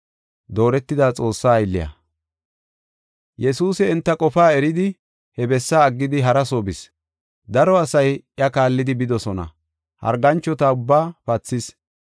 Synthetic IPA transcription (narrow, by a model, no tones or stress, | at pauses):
d̪o̞ːɾɛt̪ːɪd̪aːt͡sʼo̞ːsːaːjlːɪ̰jɐ̰ | jɛsuːsɛːnt̪ːɐkʼɔfaːɛɾɪd̪ɪ | hɛbɛsːaːɡːɪd̪ɪɦɐɾɐsobɪs | d̪ɐɾɔɐsɐjʔɪɐkaːlːɪd̪ɪbɪd̪ɔsɔnɐ̰ | hɐ̰ɾɡɐnt͡ʃːɔt̪aʊbːaːpɐt͡sːɪs